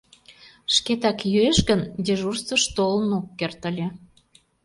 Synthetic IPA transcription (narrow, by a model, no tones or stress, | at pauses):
ʃket̪ɑkjyeʃɣənd̪eʒursəʃt̪olənokːert̪ə̆lʲĕ